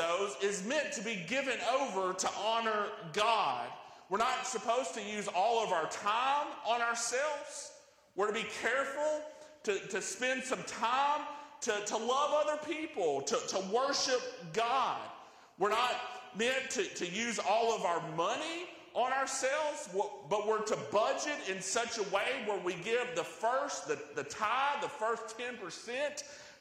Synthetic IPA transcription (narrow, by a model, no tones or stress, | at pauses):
oʊzɪzmɛ̃ntʰɨbiɡɪvɨ̃noʊvə˞ɾəʔɑnə˞ɡɑd̥̚ | wəɹnətsɨpʰoʊz̥tʰɨjʉzɔlˠʌvaʊə˞tʰãɪ̃mə̃nə˞sɛlˠvz̥ | wɨɹɾɨbikʰɛɹfl̩ˠtɨɾɨspɛ̃nd̥sʌ̃mtʰãɪ̃mtʰɨɾəlʌvʌðə˞pʰipl̩ˠtʰətəwɜ˞ʃɪp̚ɡ̥ɑd̥̚ | wɨɹnət̚mɛ̃ntʰɨɾɨjʉzɔlˠʌvaʊə˞mʌni | ʔə̃naə˞sɛlˠvzb̥ʌt̚wəɹɾɨbʌd͡ʒɨɾɪ̃nsʌt͡ʃəweɪwə˞wiɡɪvðəfɜ˞st̪̚ðɨðɨtʰãɪ̃ðəfɜ˞stʰɛ̃npə˞sɛ̃nt